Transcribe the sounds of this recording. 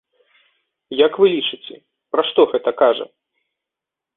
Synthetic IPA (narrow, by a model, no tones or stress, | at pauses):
jakvɨlʲit͡ʂɨt͡sʲɛ̰ | pɾɐʂt̪ɔɣɛt̪ɐkaʐɐ̰